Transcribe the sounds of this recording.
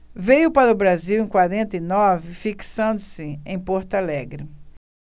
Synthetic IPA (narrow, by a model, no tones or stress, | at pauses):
vejʊpaɾɐʊbɾaziwẽj̃kwaɾẽnt̪ɐinɔvɪfiksɐ̃nd̪ʊsɪẽj̃pɔɾt̪alɛɡɾɪ